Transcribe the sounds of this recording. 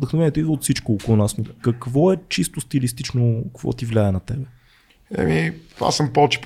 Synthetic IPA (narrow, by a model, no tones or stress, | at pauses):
d̪əxnovɛniɛt̪id̪ot̪fsit͡ʃkoːkolˠonasmikɐkvɔɛt͡ʃist̪ʊst̪ilist̪it͡ʃnokəkvɔ̰t̪ivlʲajənɐt̪ɛbɛ | ɛ̰mia̰səmpɔt͡ʃi̥p